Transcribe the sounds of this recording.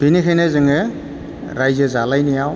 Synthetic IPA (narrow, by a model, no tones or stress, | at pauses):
b̥inikʰɛnɛzɯŋɛ | ɾajzɛzalajnijaw